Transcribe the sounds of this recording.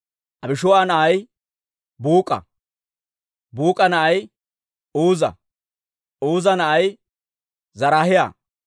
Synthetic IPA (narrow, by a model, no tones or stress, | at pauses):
ʔɐbɪʃʊwaːnɐʔɐj | buːkʼɐ̰ | buːkʼɐnɐʔɐj | uːzɐ̰ | uːzɐnɐʔɐj | zɐɾaːhɪja̰ː